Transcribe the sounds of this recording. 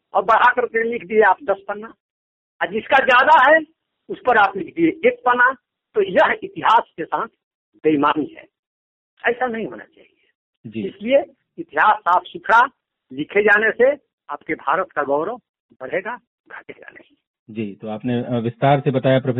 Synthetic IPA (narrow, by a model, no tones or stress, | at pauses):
ɔ̰ːɾbəɽ̤akəɾk̪elɪkʰd̪ieaːp̚d̪əspənːa | ad͡ʒɪskad͡ʒjaːd̪aɦɛ | ʊspəɾaːplɪkʰd̪ieʔek̚pəna | t̪ojəɦɪt̪iɦaːskesãːt̪ʰ | d̪eimaːniɦɛ̰ː | ɛːsanəɦĩɦo̰na̰t͡ʃa̰ːɦie | d͡ʒiɪslie | ɪt̪iɦaːsːaːpʰsʊkʰɾa | lɪkʰed͡ʒaːnese | aːpkebʱaːɾət̪kaɡɔːɾə | bəɽ̤eɡa | ɡʱəʈed͡ʒa̰na̰ɦi | d͡ʒit̪oaːpneʋɪst̪aɾsebət̪ajapɾəpʰ